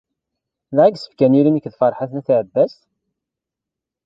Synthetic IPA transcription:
lʕaɡsə̥fkæniɾimikðfɑɾˤħaθnæθiʕəbːæs

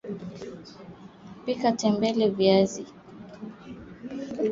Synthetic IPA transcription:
pikatɛmbɛlɛviazi

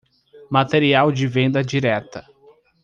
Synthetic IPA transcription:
mat̪eɾiawd͡ʒɪvẽnd̪ɐd͡ʒiɾɛt̪ɐ

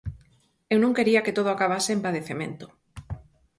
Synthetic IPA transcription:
ewnõŋkeɾiaket̪oð̞oakaβ̞aseempaðeθemḛ̃nt̪o̥

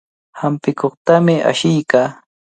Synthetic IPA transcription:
hampɪkoχt̪amɪʔa̰ʃɪjkaː

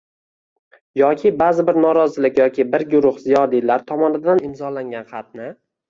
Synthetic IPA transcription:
jɒkʲʰɪbazɪbɪɾnɒɾɒzɪlɪkʲjɒkʲʰɪbɪɾɡʊɾʊχzijɒd̪ilaɾt̪ʰɒmɒnɪd̪anɪmzɒlaŋɡʲanχɑt̪̚nɪ

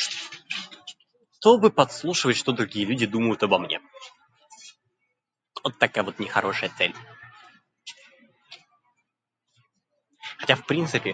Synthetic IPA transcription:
t̪obɨpɐt̪slˠuʂɨvətʲʂt̪o̞d̪ɾʊɡʲijəlʲʉdʲɪd̪uməjʊt̪ɐbɐmnʲḛ | ot̪ːɐkajəvot̪nʲɪxɐɾʔo̞ʂəjət̪sɛlʲ | xɐtʲafpɾʲint̪sɨpʲɪ

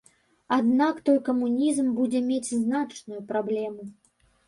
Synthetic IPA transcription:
ad̪nakt̪ɔjkɐmunʲizmbud͡zʲɛmʲet͡sʲznat͡ʂnujupɾablʲɛmu

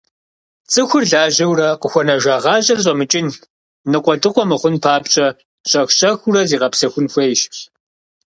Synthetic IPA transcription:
t͡sʼɨxʷʊrɮaːʑɐwrɐqəxʷɔnɐʒʷaːʁɑːʑɐrɕ̬ʼɐmɨt͡ʃʼɪn | nɨqʷʼɔdɨqʷʼɔmɨχʷʊnpʰaːpɕʼɐ | ɕʼɐxɕʼɐxʊrɐziːʁɐpsɐxʷʊnxʷejʃpɕ

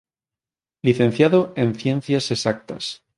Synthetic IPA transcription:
liθe̞n̟θjaðoe̞nθje̞n̟θjasesak̚t̪a̰s

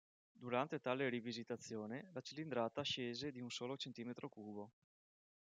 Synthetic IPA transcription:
d̪uɾant̪et̪aːleɾivizit̪at̪sːjoːnelat͡ʃilind̪ɾaːt̪aʃeːzed̪iunsoːlot͡ʃent̪iːmet̪ɾokuːbo

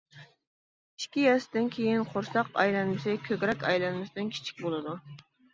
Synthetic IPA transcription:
i̥ʃkʲijɛsɪd̪ɪnkʲʰejinqʰoɾsɑqɑ̰jlˠɛnmɪsɪkʲʰøɡʲɾɛkʲɑjlˠɛnmɪsɪd̪ɪnkʲʰi̥t͡ʃʰi̥k̚ʲbolˠɨd̪u

